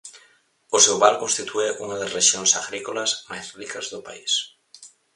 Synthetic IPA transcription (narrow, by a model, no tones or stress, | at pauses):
osewβaɾkonst̪it̪ʰueʔuŋɐðazreʃjonsaɣɾikolasmajzrikɐzðʊpa̰is